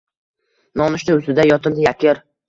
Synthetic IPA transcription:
nɒnɪʃnɪʊst̪ɪd̪ajɒt̪ʰɪmd̪ɪjakʲʰɪɾ

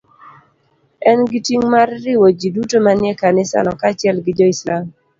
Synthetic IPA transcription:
ɛnɡitiŋmarːɪwod͡ʒidutomanjɛkanɪsa̰nɔkat͡ʃɪɛlɡɪd͡ʒɔislam

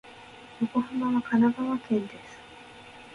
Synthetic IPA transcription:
joko̞hɯmaβakʰanaɡaβakẽ̞nd̪e̞sɨ̥

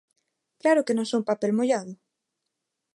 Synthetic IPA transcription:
klaɾʊkenõŋsowŋpapelmoʎaðʊ

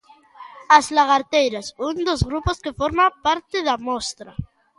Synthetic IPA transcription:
azlaɣaɾt̪ejɾasund̪ozɣɾuposkefoɾmapaɾt̪eðamost̪ɾa

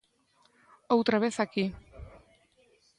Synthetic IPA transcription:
awt̪ɾaβesaki

